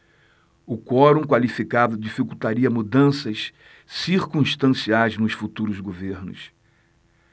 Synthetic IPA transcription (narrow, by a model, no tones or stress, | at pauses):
ʊkɔɾũkwalifikad̪ʊd͡ʒifikut̪aɾiɐmud̪ɐ̃sɐʃ | siɾkũʃt̪ɐ̃siajznʊʃfut̪uɾʊzɡoveɾnʊ̰s